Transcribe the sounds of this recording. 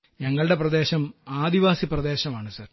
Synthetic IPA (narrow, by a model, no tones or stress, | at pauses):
ɲɐŋːɐɭɨɽe̞prɐd̪e̞ːɕɐmaːd̪iʋaːsiprɐd̪e̞ːɕɐmaːɳɨsɐr